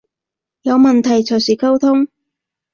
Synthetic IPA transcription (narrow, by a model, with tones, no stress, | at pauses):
jɐ˨˧wmɐ˨nt̪ʰɐ˨˩jt͡sʰɵ˨˩jsiː˨kʰɐ˥wt̪ʰʊ˥ŋ